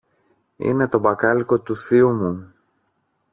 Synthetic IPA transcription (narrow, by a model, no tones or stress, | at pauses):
ḭne̞t̪o̞bɐkɐliko̞t̪uθiumu